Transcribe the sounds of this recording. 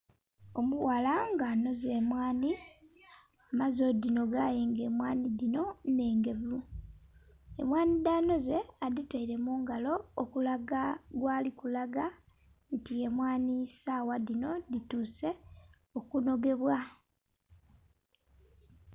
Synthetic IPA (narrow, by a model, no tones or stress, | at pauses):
o̞muwalaŋɡano̞ze̞ːmwaːni | amazo̞dino̞ɡajeːŋɡe̞ːmwaːnidino̞ne̞ːŋɡe̞βu | e̞̰mwaːnidaːno̞zeaditaiɾe̞muːŋɡalo̞ːkulaɡaɡwaːlikulaɡa | ntie̞mwaːnisawadino̞dituːse̞ | o̞kuno̞ɡe̞βwa